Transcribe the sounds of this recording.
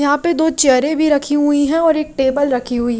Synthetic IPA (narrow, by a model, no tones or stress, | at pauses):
jɐɦãped̪oːt͡ʃəɾẽbʱiɾɐkʰiɦʊiɦɛ̃ɔːɾeːk̚ʈeːbəlɾɐkʰiɦʊiɦ